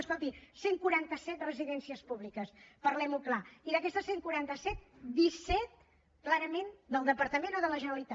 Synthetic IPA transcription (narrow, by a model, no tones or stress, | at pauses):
skɔlt̪iseŋkuɾant̪əsɛt̪rəziðɛnsiəspuβlikəspərlɛmuklaiðəkɛst̪əseŋkuɾant̪əsɛt̪̚ | d̪isɛt̪̚ | klaɾəmend̪əlˠd̪əpəɾt̪əmenoðələʒənəlit̪a